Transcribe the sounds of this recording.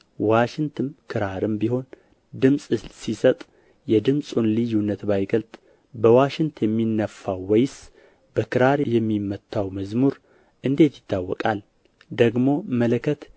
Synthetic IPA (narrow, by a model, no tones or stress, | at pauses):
waʃɪŋt̪ʰɨmkʰɨɾaɾɨmbiho̞n | d̪ɨmsʼɨssisət̪ʼ | jɛd̪ɨmsʼunlɨjːunːət̪bajɡəlt̪ʼ | bəwaʃɪŋt̪ʰjɛmːinːəfːawːɛjs | bəkʰɨɾaɾjɛmːimːət̪ʰːawməzmuɾ | ʔɨnd̪e̞t̪jɪt̪ʰːawːɔ̰kʼal | d̪əɡmo̞mələkʰət̪